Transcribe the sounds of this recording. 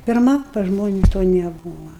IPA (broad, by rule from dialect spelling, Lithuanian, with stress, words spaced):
pʲɪrˈmɐ pɐs ˈʒmoːnʲɪs toː nʲɛˈbuːʋɐ